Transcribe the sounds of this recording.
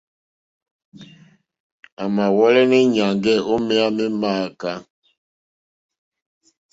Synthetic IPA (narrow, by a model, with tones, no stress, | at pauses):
a˨ma˨wɔ˦lɛ˦nɛ˦ɲa˨ŋɡɛ˦˨o˦mɛ˦a˦mɛ˦maː˦˨ka˦